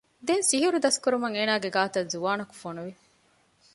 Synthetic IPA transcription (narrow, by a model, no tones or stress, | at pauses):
d̪ensiɦuɾud̪ɐskuɾumɐŋeːnaːɡeɡaːt̪ɐzuʋaːnɐku̥fonuʋi